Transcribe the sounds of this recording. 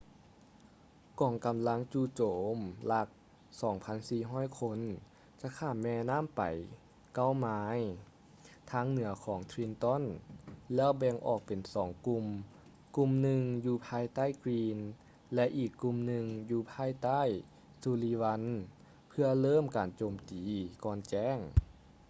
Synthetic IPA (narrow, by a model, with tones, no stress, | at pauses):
kɔː˨˩˦ŋka˨˩mla˧˥ŋt͡ɕuː˧˩t͡ɕoː˨˦mla˧˥k̚ | sɔː˩˦ŋpʰa˧˥˨nsiː˧˩ɦɔː˥˩˨jkʰo˧˥n | t͡ɕa˧˥kʰaː˧˩mɛː˧naː˥˨mpa̰˨˩j | ka˧˥˨wmaː˧j | t̪ʰaː˧˥ŋnɯ˨˩˦ɐkʰɔː˩˦ŋt̪ʰɾi˧nt̪ɔ˧˥˨nlɛː˧˥˩wbɛː˧ŋʔɔː˧˩k̚pe˨˩nsɔː˩˦ŋku˧m | ku˧mnɯ˧ŋjuː˧pʰaː˧˨jt̪a˥˨jkwiː˧n | lɛ˧ʔiː˧˩kːu˧mnɯ˧ŋjuː˧pʰaː˧˥˨jt̪a˥˨j | suː˧li˧wa˧˥n | pʰɯ˧ɐlɤː˥˨mkaː˨nt͡ɕoː˨˩mt̪iː˨˩kɔː˧˩nt͡ɕɛː˧˥˨ŋ